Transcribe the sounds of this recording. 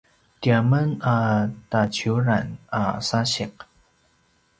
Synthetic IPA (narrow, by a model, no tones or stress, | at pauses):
tiamənatat͡ɕuɾanasaɕiq̚